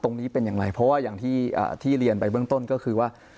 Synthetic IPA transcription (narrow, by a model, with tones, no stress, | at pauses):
t̪o˧ŋniː˦˥pe˧njaː˨˩ŋɾa˧jpʰɔ˦˥waː˥˩jaː˨˩ŋt̪ʰiː˥˩ʔa̰ː˨˩t̪ʰiː˥˩ɾi˧ənpa˧jbɯ˥˩əŋt̪o˥˩nkɔː˥˩kʰɯː˧waː˥˩